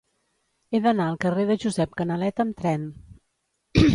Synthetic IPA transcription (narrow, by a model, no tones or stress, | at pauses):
eðənaəlˠkəreðəʒuzɛp̚kənəlɛt̪əmt̪ɾɛn